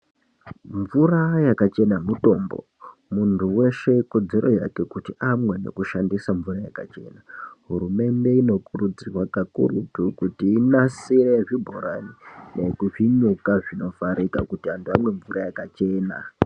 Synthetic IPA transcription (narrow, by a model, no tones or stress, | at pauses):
ɱvurajakat͡ʃe̞namuto̞ːmbo̞̰ | muntʰuwe̞ʃe̞ko̞d͡ze̞ɾo̞ja̰ke̞kutiʔamwe̞ne̞̰kuʃandisaɱvurajakat͡ʃe̞̰ːnaɦuɾume̞nde̞ino̞kurud͡zirwakakṵrutukutiːnasiɾeʐibʱo̰ɾa̰nine̞kuʐiɲukaʐino̞faɾika̰kutiantʰuamwe̞ɱvurajakat͡ʃe̞ːna̰